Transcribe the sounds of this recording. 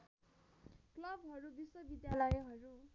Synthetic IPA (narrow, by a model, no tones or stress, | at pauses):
klʌbʱɦʌɾubiswʌbid̪jalʌjɦʌɾu